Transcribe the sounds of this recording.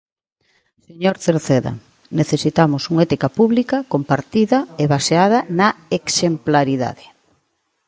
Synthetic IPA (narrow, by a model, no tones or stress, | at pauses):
seɲoɾθeɾθeðɐ̰ | neθesit̪amosuŋɛt̪ikapuβlikɐkompaɾt̪iðɐeβaseað̞ɐnɐeksemplaɾiða̰ðɪ